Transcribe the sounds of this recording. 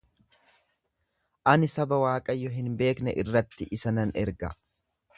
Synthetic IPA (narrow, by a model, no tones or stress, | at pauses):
ʔɐnɪsɐbɐwaːkʼɐjːɔɦɪnbe̞ːknɛʔɪrːɐt̪ːɪʔɪsɐnɐnɛɾɡɐ̰